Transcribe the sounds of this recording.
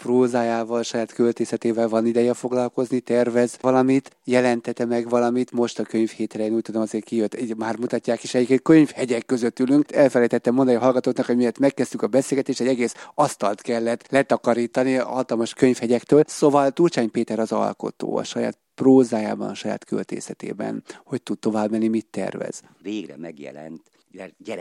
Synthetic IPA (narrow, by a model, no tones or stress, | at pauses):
proːzaːjaːvɒlʃɒjaːt̪kølt̪eːsɛt̪eːvɛlvɒnid̪ɛjɛfo̞ɡlɒlko̞znit̪ɛrvɛzɒlɒmit̪jɛlɛnt̪ɛt̪ɛmɛɡvɒlɒmit̪mo̞ʃt̪ɒkø̞ɲfheːt̪rɛjeːnuːc̚t̪ud̪o̞mɒzeːrkijøt̪ːimaːrmut̪ɒcːaːkiʃɛjikekøɲfhɛɟɛkːøzøt̪ːylyŋkɛlfɛlɛjt̪ɛt̪ːɛmond̪ɒɒlɡɒt̪oːt̪nɒkho̞ɟmijɛt̪mɛkːɛst̪ykɒbɛseːlɡɛt̪eːʃt̪ɛɟɛɡeːsɒst̪ɒlt̪kɛlːɛt̪lɛt̪ɒkɒɾiːt̪ɒniɒ̰ɦɒt̪ɒlmɒʃkø̞ɲfhɛɟɛkt̪øːlsovɒlt̪urt͡ʃaːɲpeːt̪ɛɾɒzɒ̰lko̞̰t̪o̰ːɒ̰ʃɒja̰ːt̪proːzaːja̰ːbɒ̰nɒʃɒja̰ːt̪kø̰lt̪ḛːsɛt̪ḛːbɛ̰nho̞c̚t̪ud̪̚t̪o̞vaːbmɛnːimit̪ːɛ̰rvɛ̰z̥veːɡrɛ̰mɛɡjɛ̰lɛ̰nt̪ | ɛɟɛ